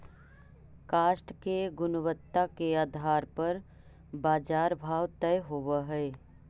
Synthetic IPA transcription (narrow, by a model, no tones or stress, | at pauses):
kaːʃʈkeɡʊnʋət̪ːakeaːd̪ʱaːɾpɐɾ | baːd͡ʒaːɾbʱaːwt̪ɛjɦoʋaɦɛː